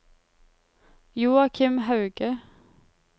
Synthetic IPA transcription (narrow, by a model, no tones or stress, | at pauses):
juːɑkʰɪmhɑʉɡə